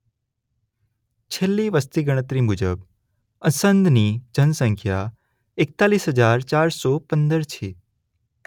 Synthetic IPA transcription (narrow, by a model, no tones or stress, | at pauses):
t͡ʃʰelːiʋəst̪iɡəɽ̃ət̪ɾimʊd͡ʒə̰b | əsənd̪ʱnid͡ʒʱənsə̃ŋkʰja | ek̚t̪aːliːsɦəd͡ʒaːɾt͡ʃaːɾsɔpə̃nd̪əɾt͡ʃʰe